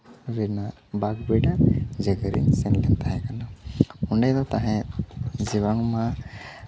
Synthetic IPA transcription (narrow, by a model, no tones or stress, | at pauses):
ɾɛna | baɡbiɖad͡ʒɛɡəɾḭnsɛnlɛnt̪aɦɛkanaunɖɛd̪ɔt̪aɦɛ̃d͡ʒiwaŋma